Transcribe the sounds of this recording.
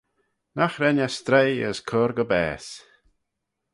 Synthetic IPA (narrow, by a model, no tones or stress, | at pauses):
naxɾɛnʲast̪ɾejə̰skʰɔɾɡəbɛ̰ːs